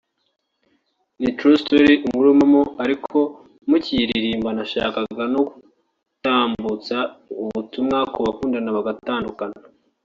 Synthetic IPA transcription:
nitɾustoɾiʔuŋɡuɾomamoaɾikʰo̞ | muciɾɾiːmbanaʃa̰ːkaɡano̞ku̥ | taːmbut͡sauβutumŋakʰoβakuːndanaβaɡataːndukana

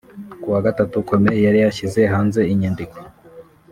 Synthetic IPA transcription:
kuwaɡatatuko̞me̞jaɾijaçize̞ɦaːnze̞iɲiːndiko

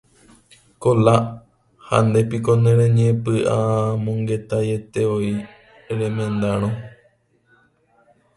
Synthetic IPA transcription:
kola | ha̰nd̪epikonẽɾẽɲẽpɨʔamõŋɡe̞t̪ajet̪eoi | ɾẽmẽnd̪aɾ̃õ

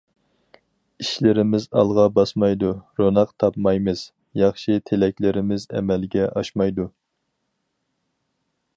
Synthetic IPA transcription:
iʃlɪɾɪmɪzɑ̰lˠʁɑbɑsmɑjd̪uɾonɑqt̪ʰɑpmɑjmɨz̥ | jɑχʃit̪ʰelɛkʲlɪɾɪmɪzɛ̰mɛlɡʲɛʔɑʃmɑjd̪u

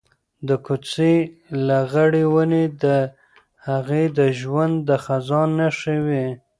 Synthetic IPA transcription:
d̪əkut͡selaɣəɽewəned̪ə | haɣed̪əʒwand̪ːəxazɑnːaʃəwe

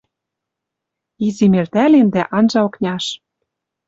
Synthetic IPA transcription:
izimert̪ælend̪æʔɑnʒɑŏknʲɑʃ

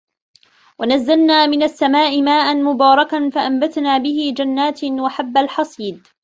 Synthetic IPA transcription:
wanazːalnaːmɪnasːamaːʔɪmaːʔanmʊbɑːɾˤɑkanfaʔambat̪naːbɪɦɪd͡ʒanːaːt̪waħabːalħɑsˤiːd̪

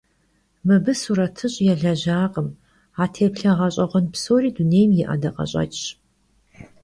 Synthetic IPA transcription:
mɨbɨsuɾɐtʰɨɕʼjɛɮɐʑaːqʼəm | aːtʰeːpɬɐʁɐɕʼɐʁʷɔnpsoːriːduneːjmjɪʔɐ̰dɐqʼɐ̰ɕʼɐ̰t͡ʃʼɕ

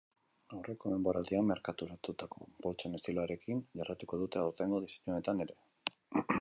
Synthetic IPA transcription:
awre̞ko̞me̞mbo̞ɾald̪iammːe̞ɾkat̪uɾat̪ut̪ako̞̰bo̞lt͡sene̞st̪iloaɾe̞kinʝarat̪uko̞ðut̪e̞awɾt̪eŋɡo̞ð̞iseɲuonet̪ane̞ɾe̞

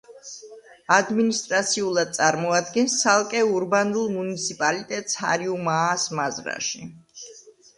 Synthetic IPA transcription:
ad̪minist̪ʼɾat̪sʰiulˠad̪̚t̪sʼaɾmɔad̪ɡɛnsːalˠkʼɛuɾbanulˠmunit̪sʰipʼalit̪ʼɛt̪ʼsha̰ɾiumaːsmazɾa̰ʃi

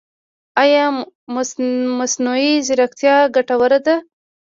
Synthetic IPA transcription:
ajɑmmasnuizɪɾaxt̪jɑɡaʈawaɾad̪a

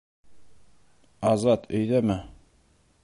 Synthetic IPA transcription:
ɑzɑt̪ʰɵ̆jðæmæ

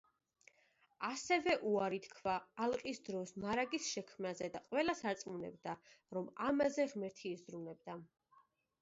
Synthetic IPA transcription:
asɛvɛʔuaɾit̪ʰkʰvaːlˠqʼisd̪ɾɔsmaɾaɡisʃɛkʰmnazɛd̪aqʼwɛlasaɾt̪sʼmunɛ̰bd̪aɾɔmamazɛʁmɛɾt̪ʰiːzɾunɛb̚d̪a

